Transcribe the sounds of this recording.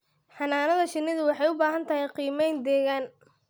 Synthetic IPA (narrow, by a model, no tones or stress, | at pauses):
ħɑnaːnɐðɐʃɪnːɪðʊwɑħɑjʊbaːɦɐnt̪ʰɐɦɛjqiːmɛjnd̪ɛːɣaːn